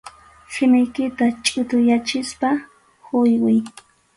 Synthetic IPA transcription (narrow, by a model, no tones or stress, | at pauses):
sɪmɪjkɪt̪at͡ʃʼʊt̪ʊjat͡ʃɪspa | hʊjwɪj